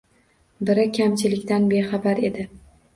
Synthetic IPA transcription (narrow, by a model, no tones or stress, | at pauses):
bɪɾɪkʲʰamt͡ʃʰɪlɪkʲt̪anbeχɑbaɾe̞d̪ɪ